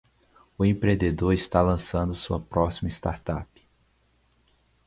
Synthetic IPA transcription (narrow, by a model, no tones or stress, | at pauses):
ʊẽpɾẽnd̪ed̪oɾist̪alɐ̃sɐ̃nd̪ʊsuɐpɾɔsimɐist̪aɾt̪a̰pɪ̥